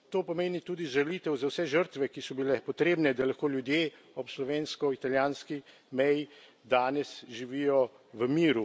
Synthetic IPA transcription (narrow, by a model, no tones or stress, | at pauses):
t̪oːpɔmeːnit̪uːd̪iʒalit̪ɛwzawsɛʒəɾt̪ʋɛkisɔbilɛpɔt̪ɾeːbnɛd̪alaxkoːljud̪jeː | ɔpslɔʋeːnskɔit̪aljaːnski | mɛji | d̪aːnɛsʒiʋiːjɔ | ʋəmiːɾu